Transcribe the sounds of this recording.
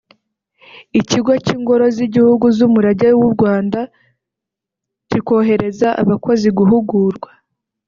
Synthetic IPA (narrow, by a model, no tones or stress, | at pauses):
iciɡwaciŋɡo̞ɾo̞ziɟihuɡuzumuɾaɟawuɾɡwaːnda | ciko̞ɦe̞ɾe̞zaʔa̰βako̞ziɡuɦuɡuːɾɡwa